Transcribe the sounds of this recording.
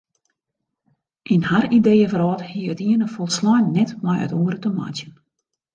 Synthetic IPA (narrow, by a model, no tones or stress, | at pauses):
ʔinharideːəfəɾɔːthiəətiənəfɔlˠslɔjnnɛtmajœ̰toəɾətəma̰tjən